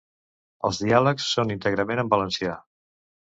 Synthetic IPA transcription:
əlˠzðialəksːonint̪əɣɾəmenəmbələnsia

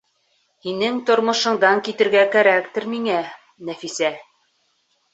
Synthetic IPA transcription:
hinɘŋt̪ŏɾmŏʃɤ̆ɴd̪ɑŋkit̪ɘ̆ɾɡækæɾækt̪ɘɾmiŋæ | næfisæ

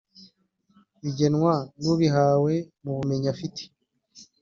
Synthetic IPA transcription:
βiɟe̞nwanuβiɦawe̞muβumeɲafiti̥

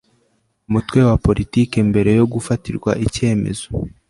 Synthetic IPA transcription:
umutwe̞wapo̞ɾitiːke̞mbe̞ɾe̞jo̞ɡufatiɾɡwa̰ʔice̞ːme̞̰zo̞̥

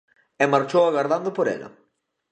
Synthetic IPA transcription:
ɛmaɾt͡ʃowaɣaɾðand̪ʊpoɾɛ̰lɐ̰

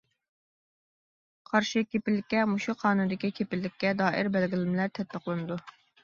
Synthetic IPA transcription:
qʰɑɾʃɪkʲʰepɪlːɪkʲːɛmuʃuqʰɑːnunɨd̪ɪkʲikʲʰepɪlːɪkʲʰːɛd̪ɑːʔɪɾbɛlɡʲɪlɪmlæɾt̪ʰɛt̪̚pʰəqlˠɨnɨd̪u

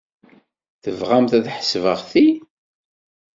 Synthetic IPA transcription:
θəvʁamθæðħə̥svəʁθi

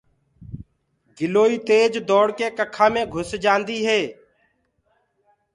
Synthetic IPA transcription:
ɡɪloːiːt̪eːd͡ʒd̪ɔːɽkeːkəkʰãːmẽːɡʱʊsd͡ʒãːnd̪iːɦeː

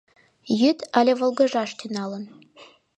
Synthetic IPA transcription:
jyt̪ɑlʲevə̆lˠɡə̆ʒɑʃt̪ʰynɑlən

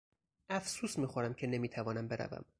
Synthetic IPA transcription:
ʔæfsuːsmiːxo̞ɾæmcʰe̞ne̞miːt̪ʰævɒːnæmbe̞ɾʔæ̰væ̰m

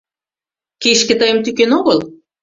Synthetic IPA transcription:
keʃkĕt̪ɤjə̆mt̪ykenoɣəl

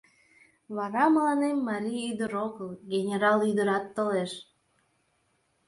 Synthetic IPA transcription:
βɑɾɑməlɑnemːɑɾʲijyd̪əɾokəlˠɡʲenʲeɾɑlˠyd̪əɾɑt̪ːoleʃ

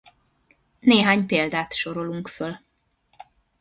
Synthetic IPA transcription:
neːɦaːɲpeːld̪aːt̪ʃo̞ɾo̞luŋkføl

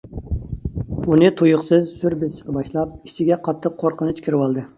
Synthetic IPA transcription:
unɨt̪ʰujʊqsɨzsyɾbɪzʃqbɑʃlˠɑp̚i̥t͡ʃʰiɡʲɛqʰɑt̪ʰːəqʰːoɾqənɨt͡ʃkʲʰiɾɪwɑlˠd̪ɨ

